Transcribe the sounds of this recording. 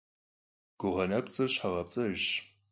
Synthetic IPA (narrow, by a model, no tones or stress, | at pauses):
ɡ̥ʷʊʁɐnɐpt͡sʼɨɕħaʁɐp̚t͡sʼɐʒ